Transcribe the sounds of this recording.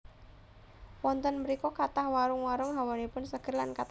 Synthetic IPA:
wɔnt̪ɔnməɾikɔkat̪ahwaɾʊŋwaɾʊŋɦawanipʊnsəɡ̥ərlankat̪

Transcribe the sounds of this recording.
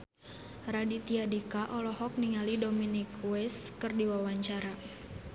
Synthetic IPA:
radit̪iadikaʔɔlɔhɔk̚niŋalidominikuwɛskɨrdiwawaɲt͡ʃaɾa

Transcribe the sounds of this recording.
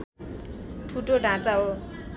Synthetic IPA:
ʈʰuʈoɖʱãt͡saɦo

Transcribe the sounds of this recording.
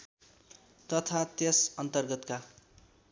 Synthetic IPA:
t̪ʌt̪ʰat̪esʌnt̪ʌrɡʌt̪ka

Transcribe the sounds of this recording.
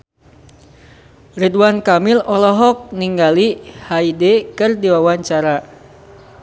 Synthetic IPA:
ridwankamilɔlɔɦɔk̚niŋɡalihaidekɨrdiwawaɲt͡ʃaɾa

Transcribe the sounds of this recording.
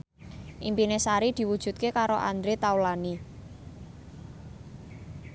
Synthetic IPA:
ʔimpinesaɾid̪̥i̤wud̥ʒ̥ṳt̪̚kekaɾoʔa̰nd̪ɾet̪awlani

